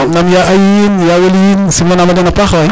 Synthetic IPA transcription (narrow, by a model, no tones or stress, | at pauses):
namjaʔajinjaweljinsimonamadɛnapaxa